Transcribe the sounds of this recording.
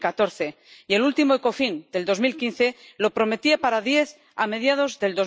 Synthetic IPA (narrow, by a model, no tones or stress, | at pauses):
kat̪o̞ɾθe̞ | ie̞lult̪imoeko̞find̪e̞ld̪o̞zmilkinθe̞lo̞pɾo̞me̞t̪iapaɾaðje̞θ | ame̞ðjað̞o̞zðe̞ld̪o̞z